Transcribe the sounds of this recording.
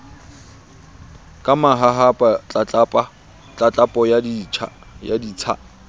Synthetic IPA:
kʼamaɦaɦapʼat͡ɬʼat͡ɬpʼa | t͡ɬʼat͡ɬʼapʼɔja̰ | ja̰diːt͡sʰa̰

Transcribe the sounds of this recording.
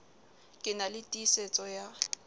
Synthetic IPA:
kʼɪnalɪtʼiset͡sʼɔja

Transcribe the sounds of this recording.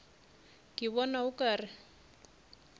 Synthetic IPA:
kʼɪβɔnaʊkʼaːrɪ

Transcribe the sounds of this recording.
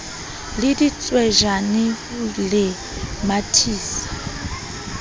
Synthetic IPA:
lɪdit͡sʼwɛʒanɪ | lɪ | matʰiːsḁ

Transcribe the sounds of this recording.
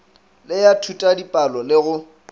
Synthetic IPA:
lɪjatʰutʼadipʼalɔlɪɣʊ

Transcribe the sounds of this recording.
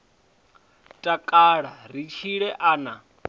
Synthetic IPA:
tʼakʼaɺarit͡ʃʰiɺɛʔaːna

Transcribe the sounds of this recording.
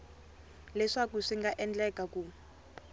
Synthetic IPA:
lɛʂakuʂiŋɡaʔɛnd͡ɮɛkʼaku

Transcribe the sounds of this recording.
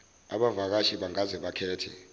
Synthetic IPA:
a̰ɓavak̬aʃiɓaŋazɛɓakʰɛːtʰɛ

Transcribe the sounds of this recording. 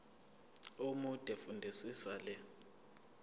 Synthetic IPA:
umud̥ʱʼɛfundʱisisalɛ

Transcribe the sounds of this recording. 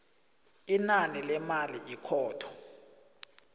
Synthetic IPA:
inanilɛmaliʔikʰɔːtʰɔ̥

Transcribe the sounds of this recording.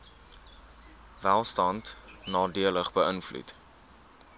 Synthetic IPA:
vælˠstɐntnɑːdiələχbəənflṵt

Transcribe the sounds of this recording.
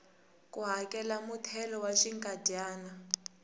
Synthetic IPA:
kuɦakɛlamutʰɛlɔwaʃiŋkʼadʱaːna

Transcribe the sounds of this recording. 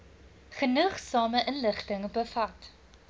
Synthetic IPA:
χənəχsɑːməʔənləχtəŋbəfɐt

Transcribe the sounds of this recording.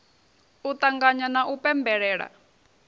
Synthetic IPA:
ut̪aŋɡaɲanaʔupɛmbɛɺɛːɺa̰

